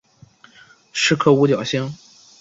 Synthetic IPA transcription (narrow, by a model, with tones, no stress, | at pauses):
ʂɻ̩˥˧kʰɤ˥˧u˧˥t͡ɕjɑ˨˩ʊɕi˥ŋ